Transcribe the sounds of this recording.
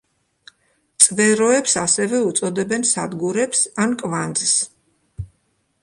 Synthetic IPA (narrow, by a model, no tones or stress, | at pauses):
t̪sʼvɛɾɔɛpsasɛvɛut̪sʼɔd̪ɛbɛnsad̪ɡuɾɛpsankʼvand̪zs